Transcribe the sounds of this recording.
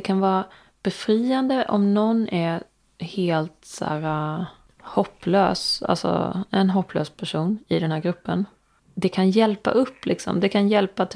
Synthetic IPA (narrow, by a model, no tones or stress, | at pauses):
ɛkʰanvɑːɾa | b̥ɛfɾiːand̪əʔɔmnɔnːʔæɾ | heːlt̪sæ̰ːɾa | hɔpːløːsa̰lsɔ̰ɛnɦɔpʰːlø̰ːspʰæʂuːnɪd̪ɛnhæːɾɡɾɵpːən | d̪ɛkʰanjɛlpa̰ʔɵpːlɪksɔ̰md̪ɛkʰanjɛlpat̪